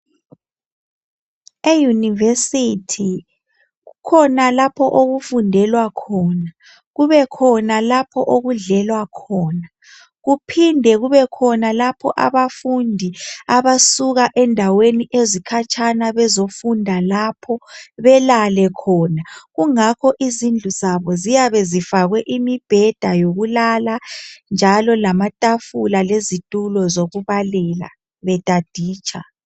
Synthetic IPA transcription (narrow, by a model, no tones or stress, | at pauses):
ejunivesitʰi | ɣukʰɔnalapʰɔʔoɣufundʱɛlwakʰɔːna | ɣuβɛkʰɔnalapʰɔʔoɣuɮɛlwakʰɔːna | ɣupʰindʱɛɣuβɛkʰɔnalapʰɔ̰ʔa̰βafundʱiaβasuɣaʔɛndʱaweniʔezikʰat͡ʃʰʼanaβɛzofundʱalapʰɔβɛlalɛkʰɔːnaɣuŋakʰɔʔizind͡ɮʱuzaβɔzijaβɛzifaɣwɛʔimib̥ʱɛd̥ʱajoɣulaland͡ʒʱalɔlamatʼafulalezitʼulɔzoɣuβalɛla̰ | βɛtʼad̥ʱiːt͡ʃʰʼa̰